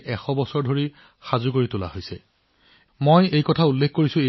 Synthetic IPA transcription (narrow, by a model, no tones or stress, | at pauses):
ʔɛxɔbɔsɔɹdʱoɹi | xazuk̬oɹitʊla̰hojsɛ | mojejkɔtʰaulːekʰkoɹisʊ̃e